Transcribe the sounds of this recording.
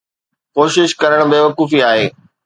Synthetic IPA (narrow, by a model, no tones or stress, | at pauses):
koːʃɪʃkɐɾəɽ̃beːʋɐkuːfiaːɦeː